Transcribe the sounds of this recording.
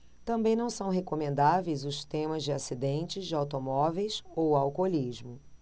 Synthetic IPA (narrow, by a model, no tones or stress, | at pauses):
t̪ɐ̃mbẽj̃nɐ̃w̃sɐ̃w̃ɦekomẽnd̪avejzʊst̪ẽmɐzd͡ʒɪasid̪ẽnt͡ʃɪzd͡ʒɪawt̪omɔvejsowawkoliʒmʊ